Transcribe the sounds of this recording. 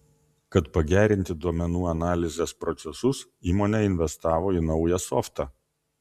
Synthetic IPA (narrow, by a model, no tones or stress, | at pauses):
kɐt̪pɐɡʲæːɾʲɪnʲt̪ʲɪd̪uɔmʲɛnuːɐnɑːlʲɪzʲeːspɾɔt̪sʲɛsʊs | iːmoːnʲɛɪnʲʋʲɛst̪ɑːʋoːinɒʊjɛsɔft̪ɑː